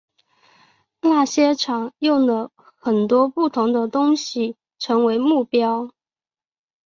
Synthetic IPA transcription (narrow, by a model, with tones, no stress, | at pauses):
la˥˩ɕjɛ˥ʈ͡ʂʰɑ˨˩˦ŋjʊ˥˩ŋlə˨˩ | xə˨˩nt̪wɔ˥pu˥˩t̪ʰʊ˧˥ŋd̪ə˧t̪ʊ˥ŋɕi˨˩ | ʈ͡ʂʰɤ˧˥ŋwe˧˥ɪmu˥˩pjɑ˥ʊ